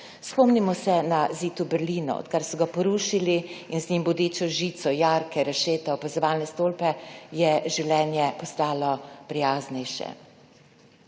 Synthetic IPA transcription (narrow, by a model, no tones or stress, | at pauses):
spɔmnimɔsɛnaziːt̪ubɛɾliːnɔ̰ɔ̰t̪kaɾsɔɡapɔɾuʃiliinzɲimbɔd̪eːt͡ʃɔʒiːt̪sɔjaːɾkʰɛɾaʃeːt̪ɛɔpazɔʋaːlnɛst̪oːlpɛjɛʒɛwlʲɛːnjɛpɔst̪aːlɔpɾijaːznɛjʃɛ̰